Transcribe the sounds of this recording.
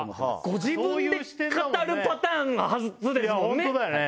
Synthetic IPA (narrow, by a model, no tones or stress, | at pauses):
ɡ̥o̞ʑibɯ̃nde̞ɕi̥t̪kaaɾɯ̟pat̪ãːŋɡahazt͡sɨd̪e̞sõneod̪aj